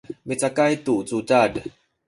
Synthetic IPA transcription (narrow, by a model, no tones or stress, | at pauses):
met͡sakajt̪ut͡sut͡sad